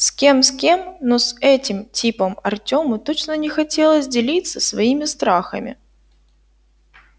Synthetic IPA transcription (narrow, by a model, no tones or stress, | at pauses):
skʲemskʲe̞mnosɛtʲɪmtʲipəmɐrtʲo̞mət̪ot͡ɕnənʲɪxɐtʲelˠəsʲdʲɪlʲit̪səsvɐimʲɪst̪ɾaxə̰mʲɪ̰